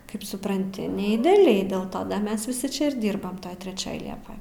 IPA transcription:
ˈkɐɪp sʊprɐnʲˈtʲɪ nʲɛ ɪdʲɛɐˈlʲɛɪ ˈdʲeːlˠ ˈtoː ˈdɐ ˈmʲɛs ʋʲɪˈsʲɪ ˈt͡ʃʲɛ ɪr ˈdʲiːrbɐm ˈtoːj tʲrʲɛˈt͡ʃʲoːj ˈlʲiɛpoːj

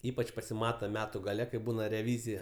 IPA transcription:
ˈiːpɐt͡ʃ pɐsʲɪˈmɑːtɐ ˈmʲæːtʊ ɡɐˈlʲɛ kɐɪ ˈbuːnɐ rʲɛˈʋʲiːzʲɪjɛ

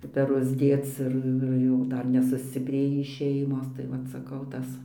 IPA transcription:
pʲɛˈrʊs ˈdʲeːt͡s ɪr ɪr ˈjuː ˈdɐr nʲɛsʊsʲt͡sʲɪˈpʲrʲeːjiː ˈʃʲɛɪmoːs tɐɪ ˈʋɐt sɐˈkɐʊ ˈtɐs

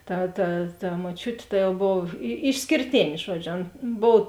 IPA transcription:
ˈtɐ tɐ tɐ moːˈt͡ʃʲʊtʲeː ˈtɐ jɛʊ ˈboːw ɪ ɪʃʲsʲkʲeːrʲˈtʲeːnʲ ˈʒuɔd͡ʒʲʊ ˈɐn ˈboːw

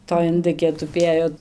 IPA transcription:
toːj ɪnˈdɨkʲeː tʊˈpʲeːjoː

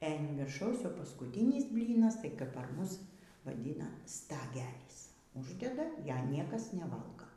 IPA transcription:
ɛ ɐn ʋʲɪrˈʃɐʊs jɛʊ pɐskʊˈtʲɪnʲɪs ˈbʲlʲiːnɐs tɐɪ kɐp pɐr ˈmʊs ʋɐˈdʲiːnɐ stɐˈɡʲæːlʲiːs ˈʊʒʲdʲɛdɐ ˈjæːˈnʲiɛkɐs nʲɛˈʋɐlˠɡoː

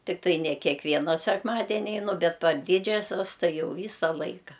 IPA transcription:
tʲɪkˈtɐɪ nʲɛ kʲɛkˈʋʲiɛnɐ sʲɛkˈmɑːdʲɛnʲɪ ɛɪˈnʊ ˈbʲɛt pɐr ˈdʲiːd͡ʒʲɛsʲɛs ˈtɐɪ ˈjɛʊ ˈʋʲiːsɐ ˈlˠɐɪkɐ

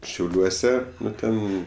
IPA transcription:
ʃʲɛʊˈlʲuɔsʲɛ ˈnʊ ˈtʲɛn

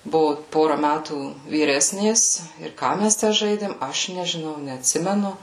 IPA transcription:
ˈbʊʋʊ ˈpoːrɐ ˈmʲætuː ʋʲiːˈrʲæːsʲnʲeːs ɪr ˈkɑː mʲɛs tʲæː ˈʒɐɪdʲeːm ˈɐʃ nʲɛʒʲɪˈnɐʊ nʲɛɐtʲˈsʲɪmʲɛnʊ

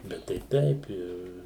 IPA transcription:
ˈbʲɛt tɐɪ ˈtʲɛɪp ɪr

